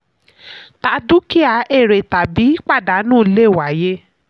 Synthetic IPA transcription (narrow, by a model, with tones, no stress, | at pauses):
ta˨˧˦du˦ki˦a˧˨e˦˨ɾe˨ta˨bi˨˦k͡pa˦˨da˨˦nũː˦le˦˨wa˨˦je˦